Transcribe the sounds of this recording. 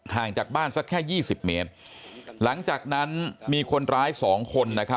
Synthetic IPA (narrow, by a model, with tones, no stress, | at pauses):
haː˨˩ŋt͡ɕaː˨˩k̚baː˥˩nsa˦˥kʰːɛː˥˩jiː˥˩si˨˩p̚me˦˥t̪̚ | la˩˦ŋt͡ɕaː˨˩k̚na˦˥nmiː˧kʰo˧nɾaː˦˥jsɔː˩˦ŋkʰo˧nːa˦˥kʰa˦˥